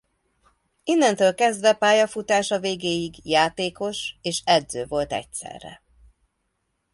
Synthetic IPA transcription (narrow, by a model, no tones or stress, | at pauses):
inːɛnt̪øːlkɛzd̪vɛpaːjɒfut̪aːʃɒveːɡeːjiɡjaːt̪eːko̞ʃeːʃɛd̪zøːvo̞lt̪ɛ̰c̚sɛ̰rːɛ̰